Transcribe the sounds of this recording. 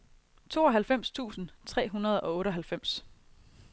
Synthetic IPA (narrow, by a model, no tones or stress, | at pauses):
t͡sʰo̝ːɒ̽ɦælfem̰st͡sʰṵːsn̩t͡sʰʁɛ̰ːɦunɐð̞ˠɒ̽ɔ̽ːɾəɦælfem̰s